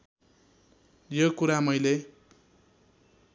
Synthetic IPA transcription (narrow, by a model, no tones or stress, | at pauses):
jokuɾamʌjle